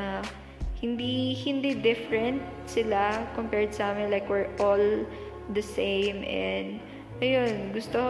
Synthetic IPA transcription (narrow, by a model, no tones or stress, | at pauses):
a | hɪnd̪ihɪnd̪id̪ɪfɹɛnt̪̚sɪlakompɛɹd̪sɐʔaːmɪnlajkwɛɹʔol | d̪ɐsẽjmʔɛnd̪ | ʔɐjonɡʊst̪oh